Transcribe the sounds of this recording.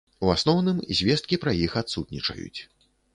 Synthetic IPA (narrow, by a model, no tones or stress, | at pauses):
uasnɔwnɨmzʲvʲɛst̪̚kʲipɾajixat̪sut̪nʲit͡ʂɐ̰jṵt͡sʲ